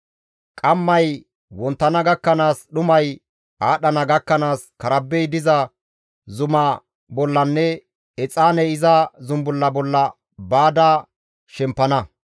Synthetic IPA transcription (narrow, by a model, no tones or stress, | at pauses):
kʼɐmːɐj | wɔnt̪ːɐnɐɡɐkːɐnaːsɗʊmɐj | aːɗɐnɐɡɐkːɐnaːskɐɾɐbːɛjd̪ɪzɐ | zʊmɐ | bɔlːɐnːɛ | ɛt͡sʼːaːnɛɪzɐzʊmbʊlːɐbɔlːɐ | baːd̪aː | ʃɛmpːɐnɐ